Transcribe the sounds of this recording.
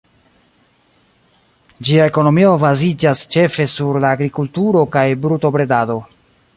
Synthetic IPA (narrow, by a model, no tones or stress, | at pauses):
d͡ʒiae̞ko̞no̞mio̞bazid͡ʒast͡ʃe̞fe̞suɾlaːɡɾikultuɾo̞kajbɾuto̞bɾe̞dado̞